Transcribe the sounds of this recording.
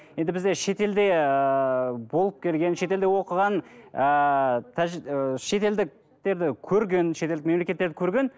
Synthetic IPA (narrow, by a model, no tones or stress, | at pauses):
je̞nd̪ɪbɪzd̪e̞ʃe̞t̪e̞ld̪e̞ | bo̞lˠəp̚kʲʰe̞lɡʲe̞nʃe̞t̪e̞ld̪ewo̞qəʁɑnət̪ʰæʒʃe̞t̪e̞ld̪ɪk̚ | t̪e̞ɾd̪ɪkʲʰɵɾɡʲe̞nʃet̪elɪk̚me̞mlekʲe̞t̪ːeɾd̪ɪkʲʰɵɾɡʲe̞n